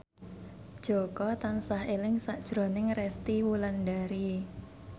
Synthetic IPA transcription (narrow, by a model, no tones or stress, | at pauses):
d̥ʒ̥o̤kɔt̪ansahelɪŋsad̥ʒ̥ɾonɪŋrɛst̪iwulanɖaɾi